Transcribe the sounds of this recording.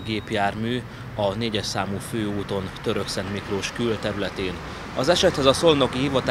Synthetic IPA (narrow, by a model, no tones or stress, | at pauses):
ɡeːpjaːrmyː | ɒneːɟɛʃsaːmuːføːuːt̪o̞nt̪ø̞ɾø̞ksɛnt̪mikroːʃkylt̪ɛɾylɛt̪eːn | ɒzɛʃɛt̪hɛzɒso̞lnokihivɒt̪a